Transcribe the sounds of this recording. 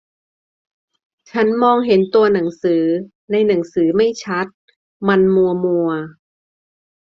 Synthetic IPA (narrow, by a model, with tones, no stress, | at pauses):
t͡ɕʰa˦˥nmɔː˧ŋɦe˨˦nt̪u˧ɐna˩˦ŋsɯː˩˦ | na˧jna˩˦ŋsɯː˩˦ma˥˩jt͡ɕʰa˦˥t̪̚ | ma˧nmu˧ɐmu˧ɐ